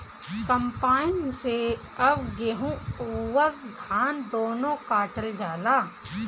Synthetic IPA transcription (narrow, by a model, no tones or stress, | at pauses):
kəmpaːɪnse | ɐbɡeɦũuwədɡʱaːnd̪oːnõkaːʈəld͡ʒaːlaː